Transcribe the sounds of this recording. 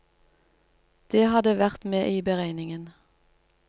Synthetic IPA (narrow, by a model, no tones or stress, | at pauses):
d̪̥eːhɑd̪əʋæʁt̪meːʔiːbəʁæɪnɪŋən